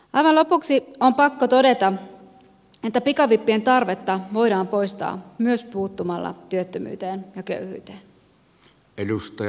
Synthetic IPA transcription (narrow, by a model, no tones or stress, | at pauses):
ɑjʋɑnlo̞puksio̞mpɑkːot̪o̞de̞t̪ɑ | e̞t̪ːæpikɑʋipːie̞nt̪ɑrʋe̞t̪ːɑʋo̞jdɑːmpo̞jst̪ɑ̰ːmyøspuːt̪ːumɑlːɑ̰t̪yøt̪ːømy̰ːt̪e̞ːnjɑkø̰yhy̰ːt̪eːn | elust̪ɑ